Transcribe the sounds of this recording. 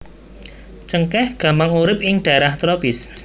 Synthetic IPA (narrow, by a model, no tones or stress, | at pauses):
t͡ʃəŋkɛhɡ̥ä̤mpaŋuɾɪp̚ɪŋɖ̥a̤ɾaht̪ɾopɪs